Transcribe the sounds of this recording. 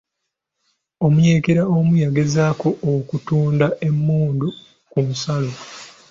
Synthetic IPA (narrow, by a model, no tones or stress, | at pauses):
o̞mujeːkeɾaomujaɡe̞zaːko̞ʔːkutuːndae̞mːuːndu | kumusalo